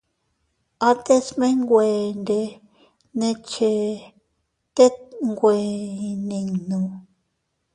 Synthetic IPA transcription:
a˧t̪e˦smẽ˦ŋɡʷe˨nde˧ | nẽ˧t͡ʃe˧ | t̪e˦ŋɡʷe˨nĩ˧nũ˧

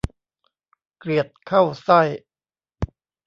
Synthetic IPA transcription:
kli˨˩ət̪̚kʰa˥˩wsa˥˩j

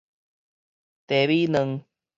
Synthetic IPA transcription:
t̪e˨βiː˦nə˧ŋ

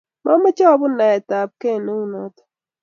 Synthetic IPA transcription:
mɔ˦mɛ˦t͡ʃɔ˦bʊ˦na˨ɛ˨ta˨p̚ke˦˨no˦u˦nɔ˦tɔ̥˦

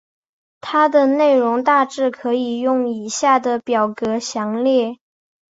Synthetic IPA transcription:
t̪ʰa˥d̪ə˨ne˥˩ɪɻʊ˧˥ŋt̪a˥˧ʈ͡ʂɻ̩˥˩kʰɤ˧˥i˨˩jʊ˥˩ŋi˨˩ɕja˥˩d̪ə˩pjɑ˨˩ʊkɤ˧˥ɕjɑ˧˥ŋljɛ˥˩

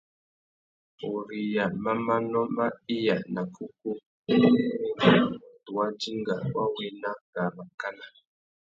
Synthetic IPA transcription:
o˨ɾi˨ja˨ma˦ma˦nɔ˦ma˦i˦ja˨na˨ku˦ku˦ | tu˨wa˦d͡ʒi˦ŋɡa˨wa˦we˦na˦ɡa˨ma˨ka˦na˨

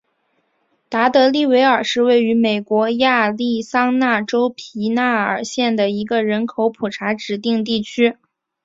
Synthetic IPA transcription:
t̪a˧˥t̪ɤ˧˥li˥˩we˧˥ɪə˞˨˩ʂɻ̩˥˧we˥˩ɪy˧˥me˨˩ɪkwɔ˧˥ja˥˧li˥˩sɑ˥ŋna˥˩ʈ͡ʂo˥ʊpʰi˧˥na˥˩ə̰˞˨˩ɕjɛ˥˩nd̪ə˩i˧˥ɡə˧ɻə˧˥nkʰo˧˥ʊpʰu˨˩ʈ͡ʂʰa˧˥ʈ͡ʂɻ̩˨˩t̪i˥˧ŋt̪i˥˩t͡ɕʰy˥

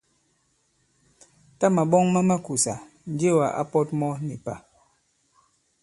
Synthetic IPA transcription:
ta˦ma˨ɓɔ˦ŋma˦ma˦ku˨sa˨ | n̩˦d͡ʒe˦˨wa˨ʔa̰˦pɔ˦t̚mɔ˦ni˨pa̰˨

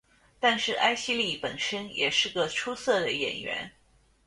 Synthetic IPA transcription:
t̪a˥˧nʂɻ̩˥˩ʔa˥ɪɕi˥li˥˩pə̰˨˩nʂə˥njɛ̰˨˩ʂɻ̩˥˩ɡə˩ʈ͡ʂʰu˥sɤ˥˩d̪ə˩jɛ̰˨˩nɥɛ̰˧˥n

